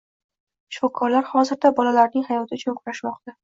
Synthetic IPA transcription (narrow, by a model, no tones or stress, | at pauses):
ʃfɒkʰːɒɾlaɾhɒzɪɾd̪abɒlalaɾnɪŋhajɒt̪ʰɪʊt͡ʃʰʊnkʰʊɾaʃmɒq̚t̪a